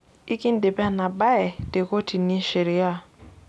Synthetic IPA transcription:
i˦ki˦n˦de˨pɛ˦˨na˨ba˦ɛ˨te˨ko˦ti˨ni˦ʃe˨ɾɪ˨˦a˦˨

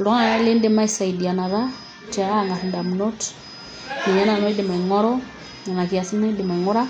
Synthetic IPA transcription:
lɔ˦ŋa˨na˦lɪ˦ndɪ˦ma˦i˦sa˨i˨di˨a˨na˨ða˦ | tɛ˨a˦˨ŋɡa˨ɾnda˨mno˦t | ni˨ɲa˦na˨nɔ˦dɪ˨ma˨i˨ŋɔ˦ɾɔ˦ | ɲa˨na˨ki˨a˨si˦na˦dɪ˨ma˨ŋʊ˦ɾa˦

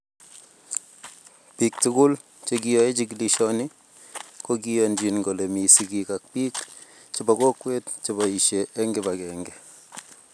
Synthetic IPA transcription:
pi˨k̚tukʊ˦l | t͡ʃek̬ijɔ˦e˦t͡ʃi˦ki˦li˦ʃɔ˦nɪ˦ | ko˦k̬i˦jɔ˨nd͡ʒi˨nŋɡo˨le˨mi˨sikika˨k̚piː˦k | t͡ʃi˦ba˨ko˦kːwe˦tt͡ʃi˦ba˨i˨ʃe˨ʔːŋɡɛ˦bakɛ˨ŋɡɛ˨

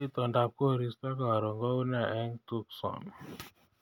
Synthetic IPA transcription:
i˦t̪ɔ˨nda˦p̚ko˦˨ɾi˦st̪ɔ˦ka˨a˨ɾɔ˨ŋɡɔ˦u˦n˦a˨ʔɛ˦ŋtu˦ksɔ̰˨n

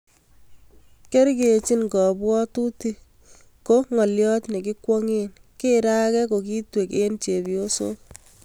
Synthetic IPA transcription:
ke˦ɾɡe˨t͡ʃi˦nɡɔ˨bwɔ˦tu˦ti˦ | ko˦ŋɔ˨ljɔ˦tni˨ki˦kwɔ˦ŋen | ke˦ɾa˦kɛ˦ko˨ki˦twe˨ke˦nt͡ʃe˨bjo˦so˦

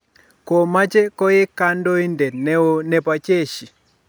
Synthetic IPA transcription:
ko˨ma˦t͡ʃe˦kɔ˦jɪ˦ka˦ndo˦i˦ndɛ˨nɛ˦wo˦nɛ˨pa˨t͡ʃe˦˨ʃi˨

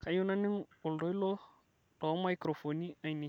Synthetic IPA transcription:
ka˨ju˦na˦ni˦ŋu˨ldo˦jlo˦ | to˨wma˦jkɾo˨fo˨ni˦a˨jni˨

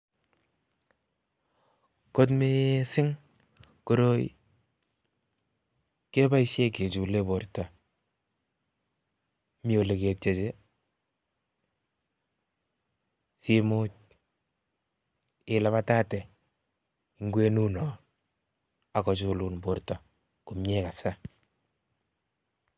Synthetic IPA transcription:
ko˦tme˦sɪ˦ŋ | ko˦ɾo˦jḭ | ke˦ba˦i˦ʃje˦ke˨t͡ʃu˨le˦bo˨ɾta˨ | mi˦o˨le˨ke˨te˨t͡ʃe˦ | si˦mu˦t͡ʃ̚ | ɪ˨la˦βa˦ta˦tɛ˨ | i˨ŋɡwe˦nu˦nɔ˨ | a˨kɔ˨t͡ʃu˨lu˨nbo˨ɾtɔ˨ | ku˨mɲɛ˦ka˨fsa˦

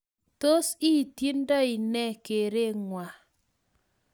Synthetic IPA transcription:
to˦si˦˨ti˦n˦dɔ˦ɪ˨nɛ˦˨ke˨ɾe˦˨ŋwa˨

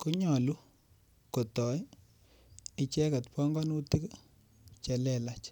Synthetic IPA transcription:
ku˦ɲɔ˨lu˦ | ko˨tɔ˨j | ɪ˨t͡ʃɛ˦ka˨tpɔ˦ŋɡɔ˦nu˦ti˦k | t͡ʃɛ˨lɛ˨la˦t͡ʃ

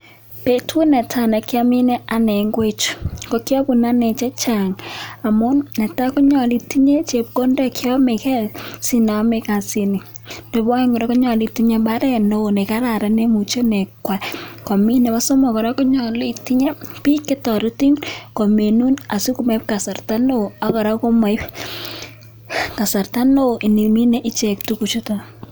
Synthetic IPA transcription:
pe˦tʰu˦nɛ˨tʰa˦˨nɛ˨kja˦mi˦nɛ˦a˨nɛ˨ŋɡwe˦t͡ʃkɔ˨kjɔ˦bu˨na˦ne˨t͡ʃɛ˦t͡ʃa˨ŋa˨mʊ˦nːɛ˨ta˦kɔ˦ɲɔ˨li˨ti˦ɲe˦t͡ʃe˨p̚ko˦ndɛ˦kjɔ˦me˨kɛ˦lsi˦na˨˦me˦ka˨si˨ni˨no˨bɔ˦ŋɡɔ˨ɾɛ˦kɔ˦ɲɔ˨li˨ti˦ɲe˦ba˦ɾɛ˦no˦˨ne˨ka˦ɾa˨ɾɛ˦ne˦mu˨t͡ʃo˦nɛ˨kwa˨kɔ˨mi˦nɛ˨ba˦so˦mɔ˨kɔ˨ɾa˦kɔ˦ɲɔ˨li˨ti˦ɲe˦pi˦kːe˦tɔ˨ɾu˦ti˦ŋkɔ˨me˨nu˦na˨si˦ku˦me˦ɪ˦p̚ka˨sa˨rta˦no˦a˨kɔ˨ɾa˦ko˦ma˨ɪ˦p | ka˨sa˨rta˦no˦˨ʔi˨ni˨mi˦nɛ˦ʔi˦t͡ʃɛ˨k̚tu˦ku˨t͡ʃo˦ta

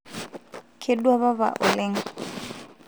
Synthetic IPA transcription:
kʰʼɪ˦dwa˦βa˦βa̰˨ʔʊ˨le˦ŋ̩˦

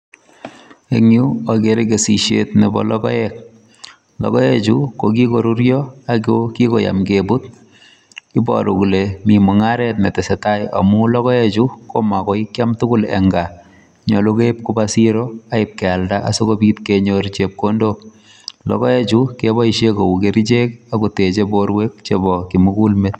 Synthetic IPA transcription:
e˨ŋju˦ake˨ɾeke˨si˨ʃjḛtne˨bɔ̰˨lɔkɔ̰˦jɛk̚ | lɔ̰kɔ˦jɛ˦t͡ʃu˦ko˨k̬i˦ko˨ɾu˦ɾjɔ˦a˦koki˦koja̰mkebu˦t | i˦bɔ̰˨ɾṵ˨kulemi˨mu˨ŋa˦ɾɛtne˨tɛ˨se˨taja̰˨mu˦lɔ˦kɔ˦ɛ˦t͡ʃu˦ko˦ma˨kɔ˦ikja˦mtu˦ku˦lɛ̰ŋɡa | ɲɔ˨lu˦ke˦p̚kubasiɾoa˦ɪp̚kɛ˨aldaʔa̰˦so˦ko˦bitkeɲoɾt͡ʃep̚kondo | lɔ̰˨kɔ˦je˦t͡ʃukebɔiʃjekoukeɾi˦t͡ʃe˦kakute˨t͡ʃeboɾwe˦k̚t͡ʃebɔkimuku˦lmet̚

